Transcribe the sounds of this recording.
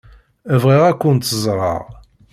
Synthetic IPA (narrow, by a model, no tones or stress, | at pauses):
əvʁiʁækʷːənt̪ːəzˤɾˤɑ̰ʁ